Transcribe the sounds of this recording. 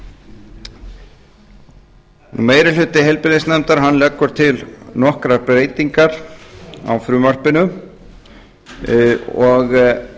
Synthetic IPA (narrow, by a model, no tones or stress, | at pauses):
numeːjɾɪl̥ʏt̪ɪɦejlpɪɾðɪnsnɛmt̪aɾɦanlɛkːʏɾ̥t̪ʰɪlnɔhkɾaɾpɾeːjt̪iŋkaɾ̥ | a̰wfɾʏːmar̥pɪnʏ | ɔɣ